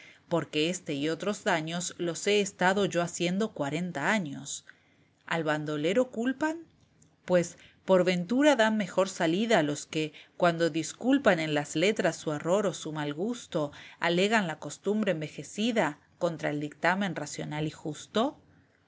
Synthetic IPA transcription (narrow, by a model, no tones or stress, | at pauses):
po̞ɾkeest̪e̞io̞t̪ɾo̞zðaɲo̞slo̞se̞ːst̪aðo̞ʝo̞asje̞nd̪o̞kwaɾe̞nt̪aaɲo̞̰s | a̰lβand̪ole̞ɾo̞kulpan | pwe̞s | po̞ɾβe̞nt̪uɾaðanme̞xo̞ɾsaliðaːlo̞skekwand̪o̞ðiskulpane̞nlazle̞t̪ɾasːuero̞ɾo̞sumalɣust̪oa̰le̞ɣanlako̞st̪umbɾeːmbe̞xe̞siða | ko̞nt̪ɾaeld̪ik̚t̪amẽ̞nrasjo̞̰nalixust̪o̞